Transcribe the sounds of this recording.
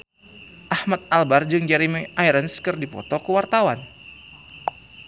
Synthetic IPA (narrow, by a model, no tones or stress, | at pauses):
ʔahmat̪̚albard͡ʒɨŋd͡ʒaɾimiʔaiɾənskɨrdipɔ̰t̪ɔkuwart̪awan